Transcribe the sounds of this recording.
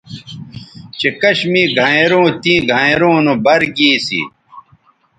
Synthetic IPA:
t͡ɕekɐɕmiːɡʱãeɾõːt̪ĩːɡʱãɾõːnũbɐɾɡiːsḭ

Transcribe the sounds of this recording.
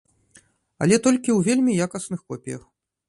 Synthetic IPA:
ɐ̰lʲɛt̪ɔlʲkʲiwvʲelʲmʲijakɐsnɨxkɔpʲijɐ̰x

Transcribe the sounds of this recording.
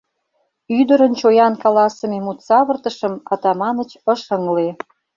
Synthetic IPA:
yd̪əɾənt͡ɕojɑnkɑlɑsəmemut̪sɑβə̆rt̪ə̆ʃə̆mɑt̪ɑmɑnə̆t͡ɕə̆ʃəŋle

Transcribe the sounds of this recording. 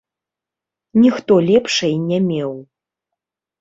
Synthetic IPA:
nʲixt̪ɔlʲɛpʂɐjnʲɛmʲɛw

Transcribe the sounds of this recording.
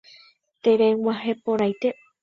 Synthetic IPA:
t̪eɾewaɦepoɾajt̪e

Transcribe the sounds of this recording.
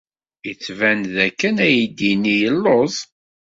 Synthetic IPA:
it͡sːvænðækːənæjid̪inːijəlːoðˤ

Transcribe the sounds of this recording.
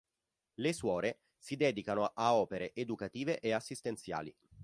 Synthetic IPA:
leswɔːɾe | sid̪ɛːd̪ikanoʔaɔːpeɾeʔed̪ukat̪iːveʔeasːist̪ent̪sja̰ːlḭ

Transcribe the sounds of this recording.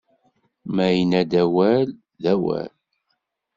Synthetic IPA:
mæjənæd̪æwæl | ðæwæ̰l

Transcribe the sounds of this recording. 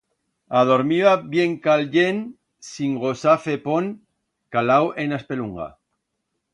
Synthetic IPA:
að̞oɾmiβaβjeŋkalʎen | siŋɡosafepon | kalawʔenaspeluŋɡa̰

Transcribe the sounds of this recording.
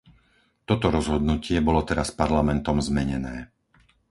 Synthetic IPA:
t̪ɔt̪ɔɾɔzɦɔd̪nucɪɛbɔlɔt̪ɛɾaspaɾlamɛnt̪ɔmzmɛɲɛnɛː

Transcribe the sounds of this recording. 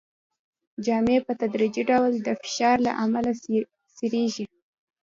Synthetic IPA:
d͡ʒɑmepət̪ad̪ɾid͡ʒiɖawld̪əfɪ̥ʃɑɾla̰ʔamala | siɾeʒi

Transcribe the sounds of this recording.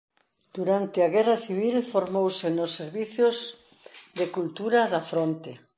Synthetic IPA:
d̪̥uɾant̪eaɣɛraθiβ̞ilfoɾmowsenosːeɾβiθjoz | ðekult̪uɾaðɐfɾont̪e

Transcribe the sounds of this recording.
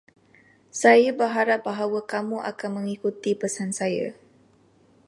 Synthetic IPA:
sajabərɦaɾap̚baɦawakamuʔa̰kanmə̃ŋikut̪ipəsansaja̰

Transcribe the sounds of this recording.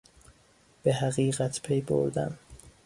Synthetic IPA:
b̥eɦæɣiːɣæt̪ʰpʰejbo̰ɾd̪æ̰m

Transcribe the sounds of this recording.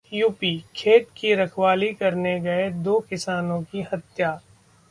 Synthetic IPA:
juːpiːkʰeːt̪kiɾɐkʰwaːlikɐɾneɡɐed̪oːkɪsaːnõkihɐt̪jaː

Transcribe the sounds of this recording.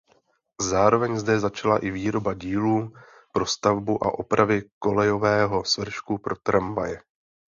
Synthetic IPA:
zaːɾo̞vɛɲzdɛzat͡ʃalaʔɪviːɾo̞baɟiːluː | pɾo̞st̪avbuʔa̰ʔo̞pɾʔavɪko̞lɛjo̞vɛːɦo̞svr̩ʃkupɾo̞t̪ɾʔamvajɛ

